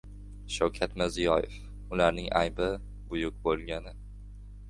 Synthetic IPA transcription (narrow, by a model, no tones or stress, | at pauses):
ʃawkʲʰat̪mɪɾzijɒjef | ʊlaɾnɪŋʔa̰jbɪ | bʊjʊk̚bolˠɡʲanɪ